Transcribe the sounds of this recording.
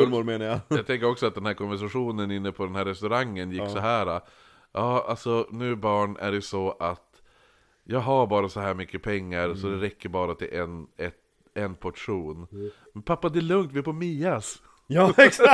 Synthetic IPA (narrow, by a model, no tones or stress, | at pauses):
ʊmoːɾmeːnajajɑt̪ʰɛŋkəɾɔksɔat̪̚d̪ɛnhæːɾkʰɔnvæʂaɧuːnənɪnːəpʰɔd̪ɛnhæːɾɛst̪ɵɾaŋːənjɪkssɔɦæːɾa | jɑːalsɔnʉ̟ːbɑːɳæ̰ɖɛjsɔʔat̪ | jɑːɡɦaɾbɑːɾasɔɦæːɾmʏkːəpʰɛŋːaɾsɔd̪ɛɾɛkːəɾbɑːɾat̪ʰɪlʔɛnɛt̪ | ɛnpʰɔʈʂuːn | mɛnpʰapːad̪ɛæɭɵŋt̪vɪhɛɾpʰɔmiːas | jɑːɛks